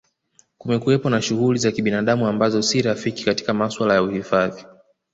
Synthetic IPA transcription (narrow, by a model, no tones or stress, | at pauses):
kumɛkuɛpɔnaʃuɣulizakiɓinaɗamuambazɔsiɾafiki̥kati̥kamaswalajauhifaði